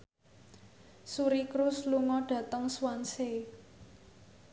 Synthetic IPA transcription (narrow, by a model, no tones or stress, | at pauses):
suɾikɾʊsluŋɔɖ̥ä̤t̪əŋswanse